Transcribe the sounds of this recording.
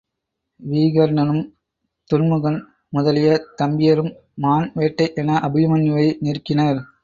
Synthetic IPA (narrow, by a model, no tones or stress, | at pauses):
ʋiːɣɐɾnɐnɯm | t̪ʊnmɯɣɐn | mʊðɐlɪjɐt̪ɐmbɪjɐɾɯmː | aːnʋeːʈːɐɪʔɛnɐʔɐbɯjɐmɐnːɪʋɐɪnɪrkɪnɐɾ